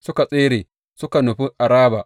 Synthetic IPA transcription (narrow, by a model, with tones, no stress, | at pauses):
sʊ˦ka˨sʼeː˦ɾeː˨ | sʊ˦ka˨nu˨ɸi˦ʔa˨ɾaː˦ba˨